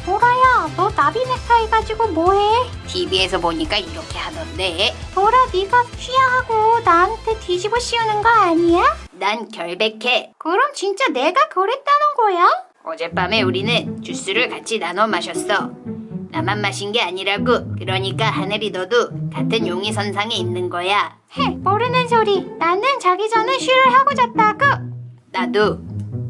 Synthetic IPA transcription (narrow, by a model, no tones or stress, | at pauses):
poɾajamʌdabimesʰaeɡad͡ʑiɡomoɦe̞ | tʰibie̞sʰʌpoɲik͈aiɾʌkʰe̞hadʌnde̞poɾadeɡapʰiaɦaɡonaantʰe̞tʰid͡ʑiboɕ͈iunɯnɡʌaɲianankjʌɭbe̞kʰe̞kɯɾʌmt͡ɕint͡ɕ͈ane̞ɡakʌɾet̚t͈anɯnɡʌja | ʌ̰d͡ʑe̞p͈ame̞uɾinɯnt͡ɕus͈ɯɾɯɭkat͡ɕʰinanʌmaɕʰʌs͈ʌnamamːaɕʰinɡe̞aɲiɾaɡokɯɾʌɲik͈ahanɯɾinʌdokatʰɯnjoŋisʰʌnsʰaŋe̞inːɯnɡʌja | hepoɾɯnɯnsʰoɾinanɯnt͡ɕaɡid͡ʑʌneɕʰɥiɾɯɭɦaɡod͡ʑat̚t͈aɡɯ | nado